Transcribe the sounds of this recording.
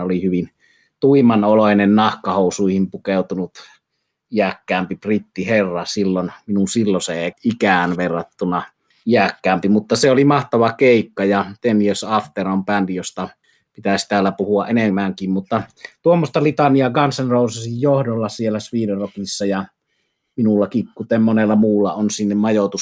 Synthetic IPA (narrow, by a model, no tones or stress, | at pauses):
olihyʋin | t̪uimɑnoloˑinennɑhkɑhoˑusuihimpukeˑut̪unut̪ | iækːæːmpiprit̪ːiherːɑsilːonminunsilːoseeikæːˑnʋerːɑt̪ːunɑ | iækːæːmpimut̪ːɑseolimɑht̪ɑʋɑkeˑikːɑjɑt̪enijøsɑft̪erompændijost̪ɑ | pit̪æsi̥t̪æːlːæpuhuɑʔʔenemːæŋkimmut̪ːɑt̪uomːost̪ɑlit̪ɑniɑɡɑnsɑnroˑusɑsijjohdolːɑsielːˑæsʋiːderokisːɑjɑ | minulːɑkikkut̪emmonelːɑmuːlːɑonsinːemmɑjot̪us